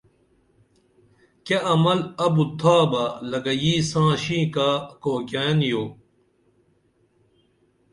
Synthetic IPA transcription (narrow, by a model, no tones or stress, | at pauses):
keʔɐmɐlɐbut̪ʰaːbɐlɐɡɐjiːsãːɕĩːkaːkoːkaːnjoː